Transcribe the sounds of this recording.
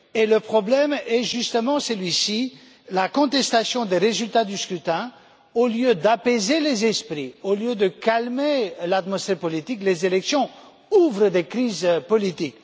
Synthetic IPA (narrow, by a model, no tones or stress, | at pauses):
eləpχɔblɛmɛʒyst̪əmɑ̃səlɥisi | lakɔ̃t̪ɛst̪asjɔ̃d̪eʁezylt̪ad̪yskχyt̪ɛ̃ | oljød̪apezelezɛspχioljød̪əkalmelat̪mɔsfɛʁpɔlit̪iklezelɛksjɔ̃ | uvʁəd̪ekχizpɔlit̪ik